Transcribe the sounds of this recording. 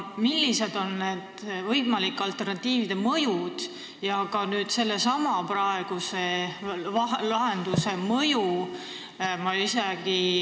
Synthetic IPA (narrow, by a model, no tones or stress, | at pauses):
milːise̞d̪o̞nned̪̥vɤjmɑlikːˑɑlt̪ːe̞rnɑt̪ːiːvid̪̥e̞mɤjud̪̥ | jɑɡɑnyːd̪̥se̞lːe̞sɑmɑprɑe̞ɡ̥use̞ɑlɑɦe̞nd̪̥use̞mɤju | mɑiseɡ̥i